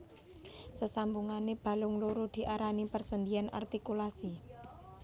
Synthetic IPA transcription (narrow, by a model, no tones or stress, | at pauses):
səsambuŋaneb̥a̤lʊŋluɾud̪̥i̤ʔaɾanipərsənd̪iana̰rt̪ikulasi